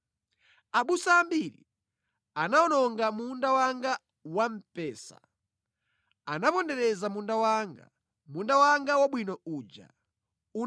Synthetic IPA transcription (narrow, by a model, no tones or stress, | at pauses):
aɓusaːmbiɾḭ | anaɔnɔŋɡamundawaŋɡa | wam̩pɛːsa̰ | anapɔndɛɾɛzamundawaŋɡa | mundawaŋɡawaɓwinɔuːd͡ʒa̰ | u